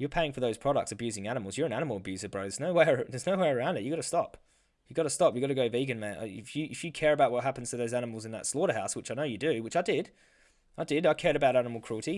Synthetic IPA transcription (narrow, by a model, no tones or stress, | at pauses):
jə˞pʰeɪɪ̃ŋfə˞ðoʊz̥pʰɹ̥ɑɾə̰k̚tsɨbjʉzɪ̃ŋænəml̩ˠzjə˞ɨ̃nænəm̩l̩ˠəbjʉzəbɹoʊznoʊwɛɪðə˞znoʊwɛɪɹə˞ãʊ̃ndɨt̚jɨɡɑɾɨstɑp | jɨɡɑɾəstɑpjɨɡɑɾɨɡoʊviɡɨ̃nmæ̃n̰ɪfjɨʔɨfjɨkʰɛɹɨbaʊt̚wʌt̚ɦæpn̩z̥tʰɨðoʊzænəml̩ˠzɨ̃nðə̰tslɔɾəhaʊswɨt͡ʃaɪnoʊjɨdɨwɨt͡ʃaɪdɪd̥ | aɪdɪdaɪkʰɛɹɾɨbaʊɾænəml̩ˠkʰɹ̥ʉl̩ˠɾi